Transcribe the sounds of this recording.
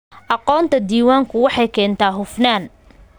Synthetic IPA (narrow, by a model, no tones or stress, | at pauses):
ʔɑqɔːnt̪ʰɐd̪iːwaːŋkʰʊwɑħɑjkʰɛːnt̪ʰaːɦʊfnaːn